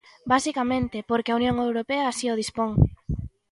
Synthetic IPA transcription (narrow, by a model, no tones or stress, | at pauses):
basikamẽnt̪ɪpoɾkeaunjoŋewɾopeɐːsioð̞ispoŋ